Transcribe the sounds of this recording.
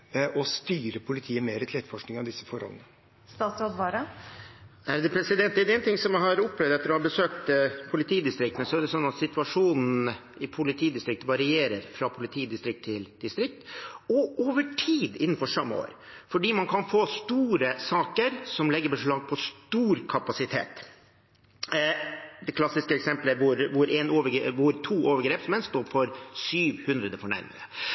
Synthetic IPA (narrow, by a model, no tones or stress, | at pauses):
ɔst̪yːɾəpʰʊlɪt̪ʰiːəmeːɾət̪ʰlɛt̪fɔʂknɪŋɑʋd̪ɪsːəfɔɾhɔ̰lə̰nə | st̪ɑːt̪soːd̪ʋɑːɾə | æɾd̪ɛpʰɾɛsɪd̪ɛnt̪ɛd̪ɛnt̪ɪŋsɔmjæhɑɾʊpːlɛʋd̪ɛt̪ːəɾɔhɑbəsøːk̚t̪pʰʊlɪt̪ʰiːd̪ɪst̪ɾɪk̚t̪nəsɔæɖɛsɔnːɑt̪sɪt̪ʉɑʂuːnn̩ | ɪpʰʊlɪt̪ʰiːd̪ɪst̪ɾɪk̚t̪ʋɑɾɪeːɾəɾfɾɑpʰʊlɪt̪ʰiːd̪ɪst̪ɾɪkt̪ʰːɪld̪̥ɪst̪ɾɪk̚t̪ɔoːʋəʈʰiːd̪ɪn̩ːfɔʂɑmːəo̰ːɾ | fɔɖiːmɑnkʰɑnfoːst̪uːɾəsɑːkəɾsɔmlɛɡːəbəʂɭɑːɡ̚pʰɔst̪uːɾkʰɑpɑsɪt̪ʰḛːt̪ | d̪ɛkʰlɑsːɪskəɛksɛmpləʋʊɾʋʊɾʔɛnoːʋəɡʋʊɾt̪ʰuːoːʋəɾɡɾeːpsmɛnst̪oːfɔɾsyːʋhʉnd̪ɾəd̪əfɔɳæ̰ɾmɪ̰ŋə